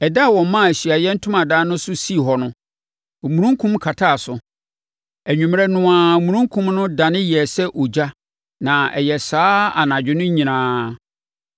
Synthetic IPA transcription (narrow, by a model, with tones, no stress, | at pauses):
ɛ˨da˦˨wɔ̃˨m˦mã˦˨æ˨ɕi˨a˨jɛ˦n̩˦tʰʊ̃˦mã˨daː˦nʊ̃˦sʊ˦si˦˨ɦɔ˨nʊ̃˦˨ | mũ˨ɾũ˦ŋkʰũ˦mkʰa˨tʰa˦˨sʊ˨ | æ˨ɲᶣũ˨m˦ɛ˦nʊ̃˨ã˨mũ˨ɾũ˦ŋ˦kʰũ˦mnʊ̃˦dã˨nɪ̃˦ji˨ɛ˨sɛ˦ʔo˨d͡ʑa˦ | nã˨ɛ̰˨jɛ˨saː˦a̰˨nã˨d͡ʑᶣɪ˦nʊ̃˦ɲĩ˨nãː˨˦